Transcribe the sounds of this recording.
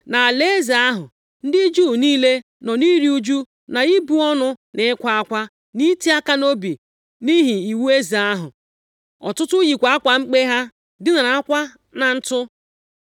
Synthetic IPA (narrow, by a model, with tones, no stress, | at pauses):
na˨a˨le˦e˦zi˨a˦ɦʊ̰˨ | n̩˦dɪ˦d͡ʒuː˦˨niː˦le˦ | nɔ˨ni˦ɾi˦u˦d͡ʒu˦ | na˨i˦bu˦ɔ˦nʊ˦nɪ˨ɪ˦kʷa˦a˦kʷa˦ | ni˦ti˦a˦ka˦no˦bi˨ | ni˦ɦi˨i˨wu˦e˦zi˨a˦ɦʊ̰˨ | ɔ̰˨tʊ˦tʊ˦ji˨kʷa˨˦a˦kʷa˨ŋ͡m̩˦k͡pe˦ɦa˦ | dɪ˦na˨ɾa˨a˦kʷa˦ | na˨n̩˦tʊ˦